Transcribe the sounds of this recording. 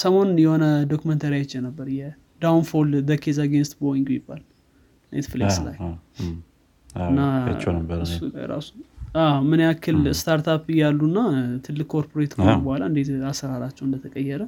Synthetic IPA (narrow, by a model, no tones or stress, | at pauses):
səmo̞njɛho̞nəd̪okumənt̪ʰaɾjajet͡ʃːjɛnəbːəɾjɛ | d̪awnfolb̪əkʰezaɡenst̪boiŋɡjɪbːal | nḛt̪flesla̰j | ɨnːa | ɨsːula̰jɾa̰su̥amɨnjakʰːɨlst̪ʰaɾt̪ʰapɨjalːunːat̪ʰɨlːɨkkʰːo̞ɾpʰoɾet̪kəbəhalaɨnd̪e̞t̪asəɾaɾat͡ʃːɛwɨnd̪ət̪ʰəkʼəjːɛɾə